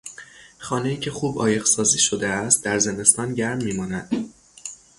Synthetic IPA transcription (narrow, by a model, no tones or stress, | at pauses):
χɒːne̞jiːcʲʰe̞xuːbɒːje̞ɣsɒːziːʃod̪eæst̪̚d̪æɾze̞ne̞st̪ɒːnɟæɾmːiːmɒːnæd̪̥